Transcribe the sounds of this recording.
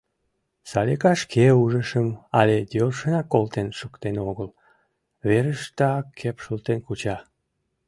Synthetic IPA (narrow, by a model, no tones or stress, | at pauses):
sɑlʲekɑʃkʰeuʒəʃəmɑled̪ølʃənɑkːolt̪enʃukt̪enoɣəl | βeɾəʃt̪ɑkʰːepʃult̪enkut͡ɕɑ